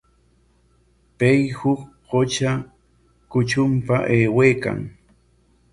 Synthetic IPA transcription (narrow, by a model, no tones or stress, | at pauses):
pejhʊk | ɢot͡ʃa | kʊt͡ʃʊmpaʔeːweːka̰ŋ